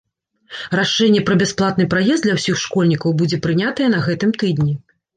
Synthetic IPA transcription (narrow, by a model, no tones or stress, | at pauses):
raʂɛnʲːɛpɾɐbʲɛsplˠat̪nɨpɾajɛzd̪lʲɐwsʲixʂkɔlʲnʲikɐwbud͡zʲɛpɾɨnʲat̪ɐjɛnɐɣɛt̪ɨmt̪ɨd̪nʲi